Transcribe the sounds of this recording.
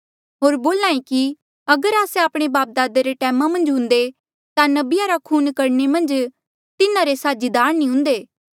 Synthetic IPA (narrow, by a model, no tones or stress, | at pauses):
ɦoːɾboːlãːẽki | ɐɡəɾaːseaːpɽ̃ebaːp̚d̪aːd̪eɾeʈɛːmamɐ̃nd͡ʒɦʊ̃nd̪e | t̪anɐbɪjaɾakʰuːnkɐɾnemɐ̃nd͡ʒ | t̪ɪnãɾesaːd͡ʒid̪aːɾnĩɦʊ̃nd̪eː